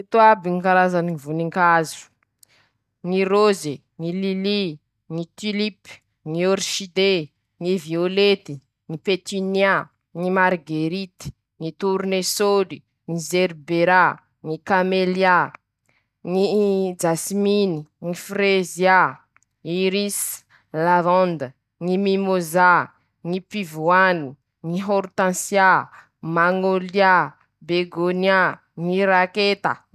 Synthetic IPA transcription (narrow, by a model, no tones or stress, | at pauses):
t̪uabiŋikaɾazaniŋivuniŋkazu̥ | ŋiroze | ŋilili | ŋit̪ilipi̥ | ŋioɾʃid̪e | ŋiviolet̪i̥ | ŋipet̪inia | ŋimaɾɡeɾit̪i̥ | ŋit̪uɾnesodi | ŋizeɾbeɾa | ŋikamelja | ŋid͡ʒasiminiŋifrezja | iɾis | lavɔ̃nd̪ə | ŋimimoza | ŋipivuanu | ŋiɦoɾt̪ãnsja | maŋolja | beɡonja | ŋiɾaket̪a̰